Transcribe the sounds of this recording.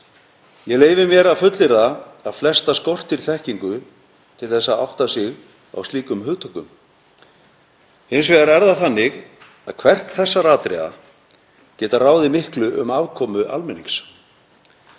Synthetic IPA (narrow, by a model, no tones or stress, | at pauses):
jɛleːjvɪmjɛɾaðfʏt̪lɪɾðaaðflɛst̪askɔr̥t̪ɪɾθɛhciŋkʏ | t̪ʰɪlθɛsːaa̰wht̪asɪɣ | a̰wsiːkʏmɦʏɣt̪ʰɔkʏm | hɪns̬vɛːɣaɾɛɾðaθanːɪɣ | aðkʰvɛr̥t̪θɛsːaɾaːt̪ɾɛ̰a̰ | cɛːt̪araːwðɪmɪhklʏʔʏ̰maːvkʰɔːmʏʔa̰lmɛnːiŋs